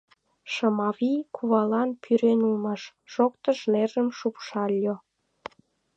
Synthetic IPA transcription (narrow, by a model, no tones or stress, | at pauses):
ʃəmɑβikʰuβɑlɑnpʰyɾenulməʃ | ʒ̥okt̪əʃnerəmʃupʃɑlʲːo